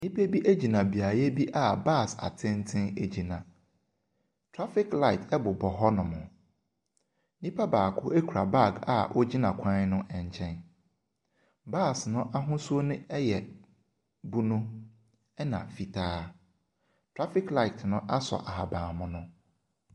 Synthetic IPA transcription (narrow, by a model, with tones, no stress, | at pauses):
nɪ̃˦pe˦bi˦ʔe˦d͡ʑi˨nã˨bi˨a˨jɛ˦bi˦ʔa˦ba˦˨sa̰˨tʰɪ̃˦n˦tʰɪ̃˦ne˨d͡ʑi˨nã˨ | tʰɾa˦fɪ˦kla˦ɪ˨tʰɛ˦bʊ˨bɔ˨ɦɔ˦nʊ̃˨mʊ̰̃˨ | nĩ˦pʰa˦baː˨kʰʊ˦e˦kʰɾa˨ba˦˨ɡa̰˨ʔɔ˦d͡ʑi˦nã˨kʷʰã˦nʊ̃˦ʔɛ˨ɲ˨t͡ɕʰɛ̃˦n | ba˦˨snʊ̃˦ʔa˦ɦʊ̃˦su˦o˦nʊ̃˦ɛ˦jɛ˨ | bu˦nʊ̃˦ | ɛ˦nã̰˨fi˨tʰaː˦ | tʰɾa˦fɪ˦kla˦˨i˨tʰnʊ̃˦ʔa˦sɔ̰˨ʔa˨ɦa˨bãː˨mʊ̃˨nʊ̃˦